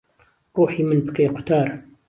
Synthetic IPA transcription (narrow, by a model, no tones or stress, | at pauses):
ɾuːħiːmənbəkejqʊ̥t̪aːɾˤ